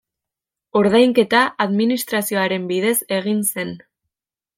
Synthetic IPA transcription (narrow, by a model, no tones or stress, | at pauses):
o̞ɾðajŋke̞t̪aʔːðminist̪ɾasio̞aɾe̞mbiðe̞se̞ɣ̞inse̞n